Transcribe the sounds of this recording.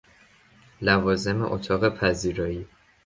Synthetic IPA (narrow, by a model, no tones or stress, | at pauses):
lævɒːze̞mḛʔot̪ʰɒːɣe̞pʰæziːɾɒːiː